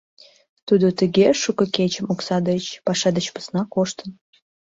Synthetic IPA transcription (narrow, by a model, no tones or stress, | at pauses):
t̪ud̪ot̪əɣeʃukə̆ket͡ɕəmoksɑd̪ət͡ɕpɑʃɑd̪ət͡ɕpə̥snɑkoʃt̪ən